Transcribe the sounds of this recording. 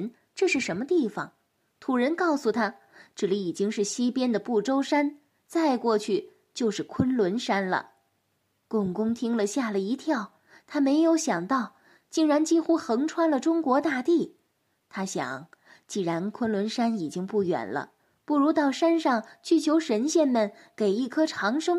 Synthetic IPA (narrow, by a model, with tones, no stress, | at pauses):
n | ʈ͡ʂɤ˥˧ʂɻ̩˥˩ʂə˧˥nmə˧t̪i˥˩fɑ̰˨˩ŋ | t̪ʰu˨˩ɻə˧˥nkɑ˥˩ʊsu˨˩t̪ʰa˥ | ʈ͡ʂɻ̩˥˩li˧˩i˨˩t͡ɕi˥ŋʂɻ̩˥˩ɕi˥pjɛ˥nd̪ə˨pu˥˩ʈ͡ʂo˥ʊʂa˥n | t͡sa˥˧ɪkwɔ˥˧t͡ɕʰy˥˩ | t͡ɕjo˥˧ʊʂɻ̩˥˩kʰwə˥nlwə˧˥nʂa˥nlə̰˨ | kʊ˥˩ŋkʊ˥ŋt̪ʰi˥ŋlə˨ɕja˥˩lə˩i˧˥t̪ʰjɑ˥˩ʊ | t̪ʰa˥me˧˥ɪjo˧˥ʊɕjɑ˨˩ŋt̪ɑ˥˩ʊ | t͡ɕi˥˩ŋɻa˧˥nt͡ɕi˥xu˥xɤ˧˥ŋʈ͡ʂʰwa˥nlə˨ʈ͡ʂʊ˥ŋkwɔ˧˥t̪a˥˧t̪i˥˩ | t̪ʰa˥ɕjɑ̰˨˩˦ŋ | t͡ɕi˥˩ɻa˧˥nkʰwə˥nlwə˧˥nʂa˥ni˨˩t͡ɕi˥ŋpu˥˩jɥɛ̰˨˩nlə̰˦ | pu˥˩ɻu˧˥t̪ɑ˥˩ʊʂa˥nʂɑ˥˩ŋt͡ɕʰy˥˩t͡ɕʰjo˧˥ʊʂə˧˥nɕjɛ˥˩nmə˨˩n | ke˨˩ɪi˥˩kʰɤ˥ʈ͡ʂʰɑ˧˥ŋʂɤ˥ŋ